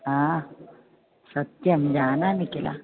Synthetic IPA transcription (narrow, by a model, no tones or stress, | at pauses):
ɦã | sət̪jəmd͡ʑananikela̰